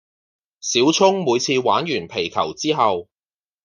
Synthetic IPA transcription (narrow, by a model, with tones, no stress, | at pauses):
siː˨˥wt͡sʰʊ˥ŋmuː˨˧jt͡sʰiː˧waː˨˥njyː˨˩npʰe˨˩jkʰɐ˨˩wt͡siː˥ɦɐ˨w